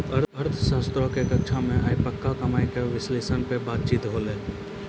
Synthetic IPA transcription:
əɾəɾt̪ʰʃaːst̪ɾõkekək̚t͡ʃʰamẽʔaːjpəkːakɐmaːjkeʋɪsleːsənpebaːt̪̚t͡ʃiːt̪ɦoːleː

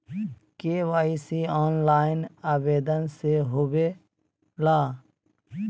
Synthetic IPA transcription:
keʋaːisiɔːnlaːɪnaːʋeːd̪ənseɦobe | laː

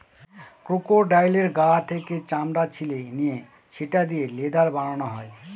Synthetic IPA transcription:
kɾukoɾɖajleɾɡat̪ʰeket͡ɕamɾat͡ɕʰilenije | t͡ɕʰeʈad̪ijeled̪aɾbaɽ̃onoɦɔe

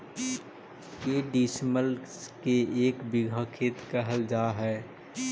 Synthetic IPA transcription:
jeːɖiːsməlskeeːkbɪɡʱakʰeːt̪kɛɦəld͡ʒaːɦɛː

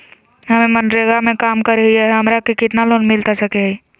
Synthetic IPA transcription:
ɦəmemənɖɾeɡamẽkaːmkəɾəɦiɛɦɦəmɾakekɪt̪naloːnmɪlt̪asəkeɦi

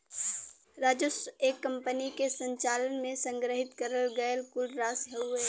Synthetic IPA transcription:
ɾaːd͡ʒəseːkːə̃mpənikesə̃ɲt͡ʃaːlənmẽsə̃ŋɡɾəɦɪt̪kəɾəlɡəjəlkʊlɖɾaːsɦɛueː

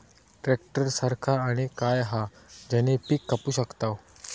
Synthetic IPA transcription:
ʈɾek̚ʈəɾsəɾkʰaːɽ̃ikajɦad͡ʑanepikːəpuːɕəkt̪aw

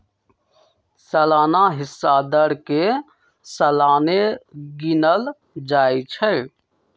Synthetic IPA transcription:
səlaːnaɦɪsːad̪əɽke | səlaːneɡɪnəl | d͡ʒaːit͡ʃʰə

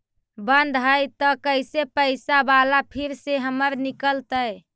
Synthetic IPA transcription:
bənd̪ʱɦəjt̪əkəjsepəɪsabalapʰiɾseɦəməɾnikəlt̪əj

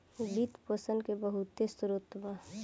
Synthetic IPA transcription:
bit̪pəsənkebəɦut̪ːesuɾot̪ːba

